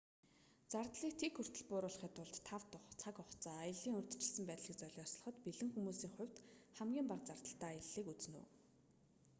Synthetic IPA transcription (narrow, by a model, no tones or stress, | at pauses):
t͡sart̪ɮiːk̚t̪ʰekxɵr̥t̪ɘ̆ɮpʊːɾʊːɮχiːt̪ʊɮt̪ʰːawt̪ʊχt͡sʰakʊχt͡saːjə̆ɮiːŋɵrʲt̪ɘ̥̆t͡ɕɪ̆ɮsɘ̆mpæːt̪ɮiːk̚t͡sœɮʲɔsɮɞ̥ə̆χɞ̆t̪piɮɘ̆ŋxumuːsiːŋχʊ̟wʲt̪χæmɡʲiːmpaqt͡sart̪ə̆ɬt̪æːjə̆ɮːiːkut͡sɘ̆nṵː